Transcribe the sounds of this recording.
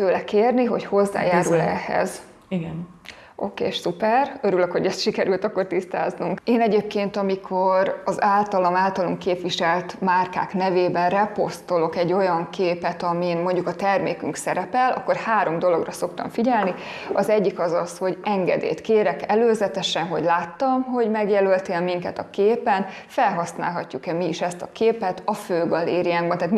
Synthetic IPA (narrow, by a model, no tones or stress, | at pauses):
føːlɛkeːrniɦo̞̰cho̞zːa̰ːjaːɾulɛ̰hɛ̰z | iɡn | ʔo̞̰kḛːʃsupɛrøɾyløkho̞ɟɛst̪ʃikɛɾylt̪ɒkːo̞rt̪ist̪a̰ːznuŋkeːnɛɟeːp̚keːnt̪ɒmikʰo̞ɾɒzaːlt̪ɒlɒmaːlt̪ɒloŋkeːpʋiʃɛlt̪maːrka̰ːknɛveːbɛnrɛpo̞st̪o̞lo̞kɛɟːo̞jɒŋkʰeːpɛt̪ɒminmo̞ɲɟukɒt̪ɛrmḛːkyŋksɛɾɛpɛlʔɒ̰kːo̞rhaːɾo̞md̪o̞lo̞ɡrɒso̞kt̪ɒ̰ɱfiɟɛlni | ɒzɛɟːikɒzɒsho̞ɟɛŋɡɛ̰d̪ḛːt̪keːɾɛkɛløːzɛt̪ɛʃɛnɦo̞̰ɟlaːt̪ːɒmɦo̞ɟmɛɡjɛlølt̪eːlmiŋkɛt̪ɒkeːpɛn | fɛlɦɒsna̰ːlɦɒcːukɛmiːʃɛst̪ɒkeːpɛt̪ɒføːɡɒlḛːɾiaːŋɡbɒnt̪aːt̪m